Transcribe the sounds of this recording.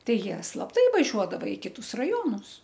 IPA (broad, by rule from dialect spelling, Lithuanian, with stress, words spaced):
ˈtɐɪ ˈjiɛ slˠɐpˈtɐɪ ʋɐˈʒʲuɔdɐʋɐ ɪ ˈkʲɪtʊs rɐˈjoːnʊs